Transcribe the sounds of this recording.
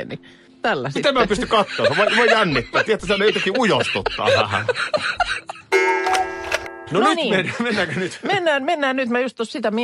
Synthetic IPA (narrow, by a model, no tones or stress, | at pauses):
nḭ | t̪ælːæsmit̪emmiæpyst̪ykɑt̪ːoˑːsʋɑˑʔilɑjjænːit̪ːæːt̪iet̪ːæsihænːˑiˑt̪ekːiujost̪ut̪ːˑɑ̰ːʋæ̰hæ̰ | nonytnːmenmenːækønyt̪menːæːnmenːæːnnyt̪mæjust̪ossit̪æmi